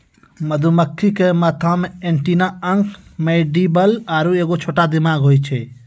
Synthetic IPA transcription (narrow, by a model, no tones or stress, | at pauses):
məd̪ʱuməkʰːikemət̪ʰãmẽẽɳʈinãəŋkʰmeːɖibəlaːɾueːkot͡ʃʰoːʈad̪ɪmaːɡɦoːjt͡ʃʰe